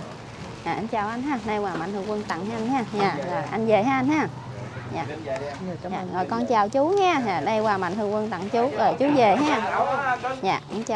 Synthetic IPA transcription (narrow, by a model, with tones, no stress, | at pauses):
ɲaː˨˩ʔa˧nt͡ɕaː˨˩wʔa˧jn̟ɦaː˧˩nə˧jwaː˨˩ma̰˨jt̪ɨ˧əŋkwə˧ŋt̪a̰˧˨ŋhʔa˧nɲaː˧˩ɲaː˨˩ɣo˨˩jʔa˧jnve˨˩ɦa˧ʔa˧nhaː˧ | ɲaː˨˩˨ | aː˨ɣɔ˨˩jkɔ˧nt͡ɕaː˨˩wt͡ɕu˨˦ɲɛː˧ɲaː˨˩nə˧jwaː˨˩ma̰˧˨jn̟t̪ɨ˧əŋkwnt̪a̰˧˨ŋt͡ɕu˨˦zəː˨˩jt͡ɕu˨˦ve˨˩ɦa˧ | jaː˨˩ʔa˧nt͡ɕː